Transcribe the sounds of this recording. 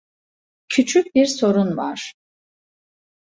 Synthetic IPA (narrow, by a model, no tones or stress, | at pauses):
cʰyt͡ʃʰyc̚biɾso̞ɾunva̰ɾ̥